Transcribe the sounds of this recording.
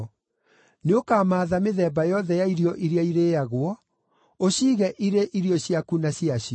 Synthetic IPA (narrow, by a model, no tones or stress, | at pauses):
neokaːmaːðameðɛbajɔðɛjaiɾiɔʔiɾiaiɾejaɣwɔ | oɕiːɣɛʔiɾeʔiɾiɔɕiakunaɕiaɕi